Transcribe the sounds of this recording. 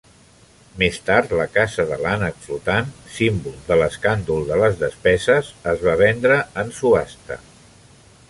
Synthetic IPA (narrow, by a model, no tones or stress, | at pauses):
mest̪aɾt̪ləkazəðəlanəkflut̪ansimbulˠd̪ələskand̪ulˠðələzðəspɛzəzəzβaβ̞ɛnd̪ɾəənsuast̪ə̰